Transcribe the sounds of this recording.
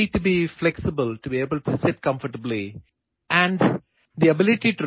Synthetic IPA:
iʈubiflɛksɪbəlʈubieːbəlʈusɪʈ̚kʌ̃mfəʈəbli | ʔæ̃ɳɖ | d̪iɐbɪlɪʈiʈuɾ

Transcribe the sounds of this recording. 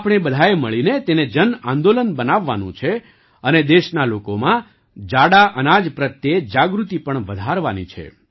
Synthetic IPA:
apɳ̃ebəd̪ʱajeməɭinet̪ened͡ʒənãnd̪olənbənaʋːanṵ̃t͡ʃʰe | əned̪eʃnalokomã | d͡ʒaɽaʔənad͡ʒpɾət̪jed͡ʒaɡɾut̪ipəɳʋəd̪ʱaɾʋanḭt͡ʃʰḛ

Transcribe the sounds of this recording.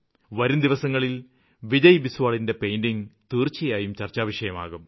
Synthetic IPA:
ʋɐɾumd̪iʋɐsɐŋːɐɭil | ʋid͡ʑɐjbisʋaːɭinde̞pejndiŋt̪iːrt͡ɕːijaːjumt͡ɕɐrt͡ɕːaːʋɐʂɐjɐma̰ːɣum

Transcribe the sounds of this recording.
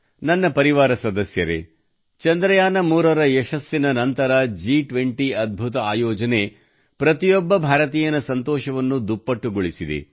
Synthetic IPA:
nɐnːɐpɐɾiʋaːɾɐsɐd̪ɐsjɐɾḛ | t͡ʃɐnd̪ɾɐjaːnɐmuːɾɐɾɐɛʃɐsːinɐnɐnt̪ɐɾɐd͡ʒiːʈʋeɳʈiɐd̪̚bʱut̪ɐaːjɔːd͡ʒɐne̞ | pɾɐt̪ijɔbːɐbʱaːɾɐt̪iːjɐnɐsɐnt̪ɔːʃɐʋɐnːud̪upːɐʈːuɡoɭisid̪ḛ

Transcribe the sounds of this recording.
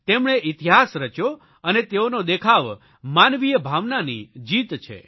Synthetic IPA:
t̪emɽeʔit̪iɦasɾət͡ʃjo | ənet̪eonod̪ekʰaʋ | manʋijəbʱaʋnanid͡ʒit̪t͡ʃʰḛ

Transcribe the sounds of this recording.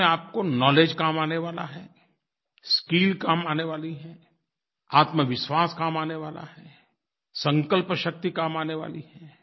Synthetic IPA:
ẽaːp̚konɔːleːd͡ʒkaːmaːneʋaːla̰ɦɛː | skiːlkaːmaːneʋaːliɦɛː | aːt̪məʋɪʃʋaːskaːmaːneʋaːla̰ɦɛː | sɐ̃ŋkəlpʃɐk̚t̪ikaːmaːneʋa̰ːliɦɛː

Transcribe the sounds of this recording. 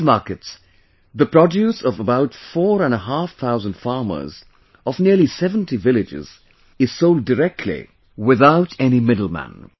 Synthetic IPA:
mɑɹkɨts | ðəpʰɹ̥ɔdjusʌvəbaʊtfɔːɾə̃nəɦafθʰaʊzə̃nd̥fɑɹmə̰˞z | ɔvniəlisɛvə̃ntivɪlɪd͡ʒɪ̰z̥ | ɨz̥soʊlˠdəɾɛk̚tʰˡlḭ | wɪðaʊtɛnimɪdl̩ˠmæ̰̃n

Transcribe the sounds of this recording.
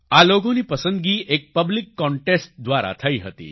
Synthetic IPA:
aloɡõniːpəsənd̪ɡiːʔek̚pəblikːɔɳʈesʈ̚d̪ʋaɾa̰t̪ʰəiːɦət̪ḭː

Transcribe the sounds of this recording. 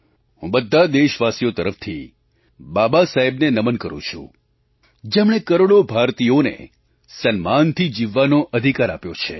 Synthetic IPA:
ɦũbəd̪ʱːad̪eʃʋasijot̪əɾəft̪ʰi | babasaɦebnenəmənkəɾṵ̃t͡ʃʰṵ̃ | d͡ʒemɽ̃ekəɾoɭobʱaɾt̪ijonḛ | sənmant̪ʰid͡ʒiʋːanoʔəd̪ʱikaɾa̰pjot͡ʃʰḛ

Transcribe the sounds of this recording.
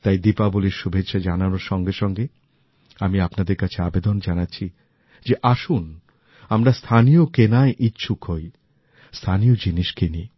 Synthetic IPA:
t̪ajd̪ipaboliɾʃubʱetːʃʰad͡ʑananoɾʃɔŋɡeʃɔŋɡe | amiapnad̪eɾkat͡ɕʰeabed̪ond͡ʑanatːɕʰi | d͡ʑeʔaʃun | amɾast̪ʰanijokenaeʔitːɕʰukʰoj | st̪ʰaniod͡ʑiniʃkeni

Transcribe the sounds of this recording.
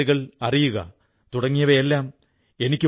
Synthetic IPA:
iɣɐɭɐrijuɣɐ̰ | t̪uɽɐŋːijɐʋɐelːaːm | e̞nikʲːɨ

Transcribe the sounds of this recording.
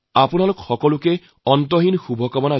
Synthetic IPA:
apunalʊkxɔkɔlukɛ | ɔntɔɦinxubʱɔkamɔna

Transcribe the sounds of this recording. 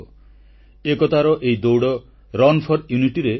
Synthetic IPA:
ekɔt̪aɾɔʔeid̪owɽɔ | ɾɔnpʰɔɾjuniʈiɾe

